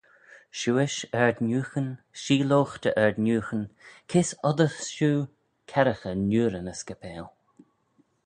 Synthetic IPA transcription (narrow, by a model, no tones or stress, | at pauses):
ʃuːɪʃɛɹd̪nuːxən | ʃiːloːxt̪əʔɛɹdnuːxənkʰɪsɔd̪əxʃuː | kʰɛɾəxənuːɾənəskəpʰɛːl